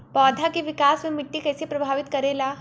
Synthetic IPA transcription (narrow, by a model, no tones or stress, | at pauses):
pɔːd̪ʱakiʋɪkaːsmẽmɪʈːikɛːsepɾɐbʱaːʋɪt̪kɐɾeːlaː